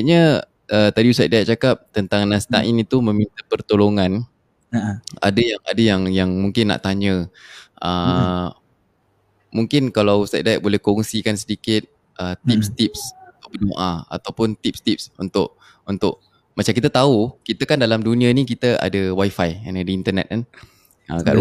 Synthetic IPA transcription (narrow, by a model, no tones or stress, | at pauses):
ʔɲə | ət̪adiusajt̪̚dajʔ̚t͡ʃakap̚t̪ənt̪aŋnãst̪a̰ʔinit̪umə̃mint̪əpərt̪oloŋãn | a̰dəjaŋa̰dəjaŋjaŋmuŋkɪnːa̰ʔt̪aɲə̃ʔə | muŋkɪnkalawsajt̪̚dajʔ̚bolɛhkoŋsikansədikɪt̪̚ | ʔət̪ip̚st̪ip̚sut̪ʊpənoʔaa̰t̪awpʊnt̪ip̚st̪ip̚sunt̪ʊʔ̚ | unt̪ʊʔ | mat͡ʃamkit̪at̪aukit̪akandalamdunĩənikit̪əa̰dəwajfajanadəint̪ərnɛ̰t̪̚an | əkaʔ